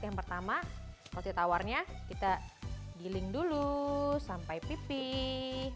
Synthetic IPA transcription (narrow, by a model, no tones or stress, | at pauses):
jaŋpərt̪amakɔlt̪it̪awarɲakit̪aɡilɪŋdulusampajpipi